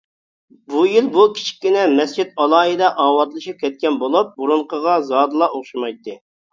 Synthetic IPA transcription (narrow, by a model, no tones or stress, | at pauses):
bujilbukʲʰi̥t͡ʃʰi̥kʲːinɛmɛst͡ʃʰit̪ɑlˠɑːid̪ɑʔɑːwɑt̪lˠɨʃip̚kʲɛt̪̚kʲɛnbolˠup̚buɾuɴqəʁɑzɑːd̪ɨlˠɑoχʃimɑjt̪ːɨ